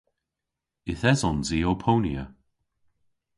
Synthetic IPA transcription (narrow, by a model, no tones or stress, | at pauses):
ɪθɛzɔnziːopʰowniə